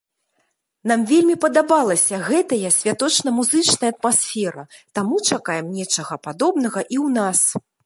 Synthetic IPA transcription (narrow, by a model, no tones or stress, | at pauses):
n̪amvʲelʲmʲipɐd̪abalˠɐsʲɐɣɛt̪ɐjɐsʲvʲat̪ɔt͡ʂnɐmuzɨt͡ʂnɐjɐːt̪̚masʲfʲɛɾɐt̪amut͡ʂakajɛmnʲɛt͡ʂɐɣɐpad̪ɔbnɐɣɐʔiwnas